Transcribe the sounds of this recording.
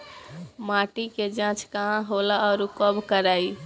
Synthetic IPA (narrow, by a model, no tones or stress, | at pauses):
maːʈiked͡ʒãːt͡ʃkəɦãɦolaɔːɾukəbkəɾaːi